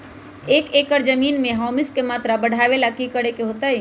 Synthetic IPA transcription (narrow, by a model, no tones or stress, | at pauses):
eːkekəɾd͡ʒəmiːnmẽɦɔmiskemaːt̪ɾabəɽ̤ʱaʋelakikəɽekeɦot̪aj